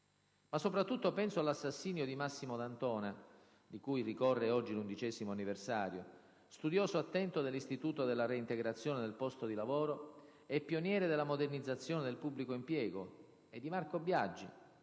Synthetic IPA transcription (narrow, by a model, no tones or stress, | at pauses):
masːopɾat̪ːut̪ːopɛnsoalːasːasːiːnjod̪imasːimod̪ant̪ɔːna | d̪ikujrikɔrːeɔd͡ʒːilund̪it͡ʃɛːzimoanːiversaːɾjo | st̪ud̪jɔːsoat̪ːɛnt̪od̪elːist̪it̪uːt̪od̪elːaɾeint̪eɡɾat̪sːjoːned̪elpɔst̪od̪ilavoːɾo | ɛpːjonjɛːɾed̪elːamod̪ernid̪zːat̪sːjoːned̪elpubːlikoimpjɛːɡo | ed̪ːimarkobjad͡ʒːi